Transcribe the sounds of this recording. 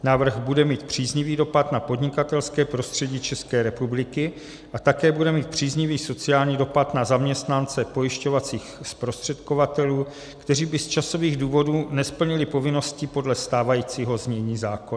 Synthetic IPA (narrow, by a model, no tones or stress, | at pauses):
naːvr̩ɣbudɛmiːt̪pr̥iːzɲɪviːdo̞pat̪napo̞dɲɪkat̪ɛlskɛːpɾo̞st̪r̥ɛɟiːt͡ʃɛskɛːɾɛpublɪkɪ | ʔat̪akɛːbudɛmiːt̪̚pr̝̥iːzɲɪviːso̞t͡sɪaːlɲiːdo̞pat̪nazamɲɛst̪nant͡sɛpo̞jɪʃco̞vat͡siːxspɾo̞st̪r̥ɛt̪kovat̪ɛluː | kt̪ɛriːbɪst͡ʃaso̞viːɣduːvo̞duːnɛspl̩ɲɪlɪpo̞vɪno̞scɪpo̞dlɛst̪aːvajiːt͡siːɦo̞zmɲɛɲiːzaːkon